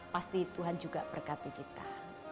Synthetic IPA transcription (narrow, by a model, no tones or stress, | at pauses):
past̪it̪uɦand͡ʒuɡapərkat̪ikit̪a̰